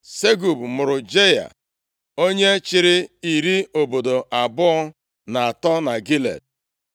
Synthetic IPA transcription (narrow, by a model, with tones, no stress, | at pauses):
se˦ɡu˨bmʊ˨ɾʊ˨d͡ʒe˦ja̰˨ | o˦ɲe˦t͡ʃɪ˦ɾɪ˦i˨ɾi˦o˨bo˨do˨ʔa˨bʊ˦ɔ˦ | na˨a˨tɔ˦na˨ɡi˦lḛ˨d̚